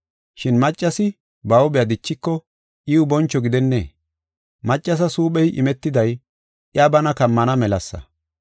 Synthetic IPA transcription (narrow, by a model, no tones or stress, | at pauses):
ʃɪnmɐt͡ʃʼːɐsɪ | bɐwʊbɛjad̪ɪt͡ʃːɪkːɔ | ʔiːʊbɔnt͡ʃːɔɡɪd̪ɛnːḛː | mɐt͡ʃʼːɐs̬ɐsuːpɛjʔɪ̰mɛt̪ːɪd̪ɐj | ʔjɐbɐnɐkɐmːɐnɐmɛlɐsːɐ̰